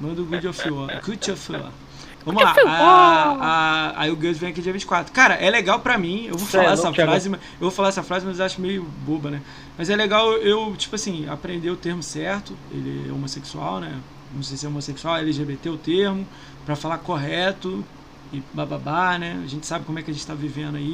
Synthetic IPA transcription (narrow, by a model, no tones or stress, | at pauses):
mɐ̃d̪ʊɡud͡ʒofiɔ̰kut͡ʃofiɔ̰ | vɐ̃mʊlla | aa̰iʊɡɐzvẽj̃ɐkiʊd͡ʒiɐvĩt͡ʃɪ̥kwat̪ɾʊkaɾɐʔɛleɡawpɾɐmĩewvofalaɛsɐfɾazɪmɐ | ewvofalaɛsɐfɾazɪmɐzaʃʊmejʊbobɐnɛ | mɐzɛleɡawewt͡ʃi̥pʊasĩa̰pɾẽnd̪eʊt̪eɾmʊsɛɾt̪ʊḛlɪɛ̰o̰moseksua̰wnɛ | nɐ̃w̃sejsɪɛomoseksuawɛliʒebet̪eʊt̪eɾmʊ | pɾɐfalakoɦɛt̪ʊ | ɪbababanɛaʒẽt͡ʃɪ̥sabɪkõmʊɛkʲɪɐʒẽt͡ʃɪt̪avivẽnd̪ʊai